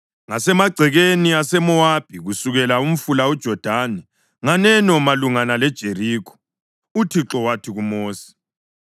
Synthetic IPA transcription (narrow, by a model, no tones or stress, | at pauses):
ŋasɛmaɡ͡ǀʱɛɣeniasɛmɔab̥̚ʱiɣusuɣɛlaum̩fulaud̥ʒ̥ʱɔd̥ʱaːnɛ | ŋanɛnɔmaluŋanalɛd̥ʒ̥ʱeɾiːkʰɔ̥ | utʰiǁɔwatʰiɣumoːsi̥